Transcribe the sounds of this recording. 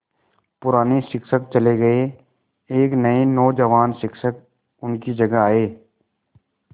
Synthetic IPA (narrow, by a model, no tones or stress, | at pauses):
pʊɾaːneʃɪkʃək̚t͡ʃɐleɡɐe | eːknɐenɔːd͡ʒəʋaːnsɪkʃək̚ | ʊnkid͡ʒɐɡaaːeː